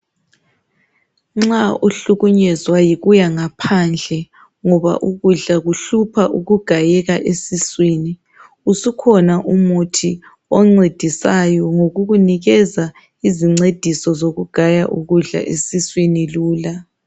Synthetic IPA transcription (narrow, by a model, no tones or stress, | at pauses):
ŋ͡ǁauɬuɣuɲɛzwajiɣujaŋapʰand͡ɮʱɛ | ŋɔβa̰ʔuɣuɮaɣuɬupʰaʔuɣuɡ̥ʱajɛɣaʔesiswiːni | usukʰɔnaʔumutʰi | ɔŋ͡ǀed̥ʱisajɔŋoɣuɣuniɣɛza | iziŋ͡ǀed̥ʱisɔzoɣuɡ̥ʱajaʔuɣuɮa̰ʔesiswiniluːla